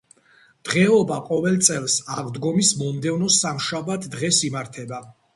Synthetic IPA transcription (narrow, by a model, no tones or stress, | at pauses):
d̪̥ʁɛɔbaqʼɔvɛlˠt̪sʼɛlˠsaʁd̪ɡɔmismɔmd̪ɛvnɔsamʃabat̪ʰd̪ʁɛsimaɾt̪ʰɛba